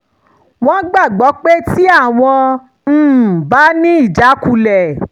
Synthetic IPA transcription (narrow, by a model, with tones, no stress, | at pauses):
w̃ɔ̃˦ɡ͡ba˦˨ɡ͡bɔ˨˦k͡pe˦ti˦a˦˨w̃ɔ̃˧ | n̩ː˨ba˨˦nĩ˦i˦˨d͡ʒa˨˦ku˧lɛ˨